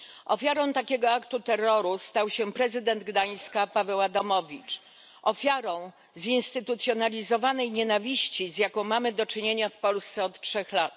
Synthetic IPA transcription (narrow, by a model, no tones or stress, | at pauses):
ʔɔfʲjaɾɔ̃w̃t̪akʲɛɡɔakt̪ut̪ɛrːɔɾust̪awɕɛpɾɛzɘd̪ɛnd̪ɡd̪aj̃skapavɛwad̪ɔmɔvʲit͡ʂ | ʔɔfʲjaɾɔ̃w̃ | zinst̪ɘt̪ut̪sʲjɔnalʲizɔvanɛjɲenavʲiɕt͡ɕizjakɔ̃w̃mamɘd̪ɔt͡ʂɘɲeɲafpɔlst̪sɛɔt̪tʂɛxlat̪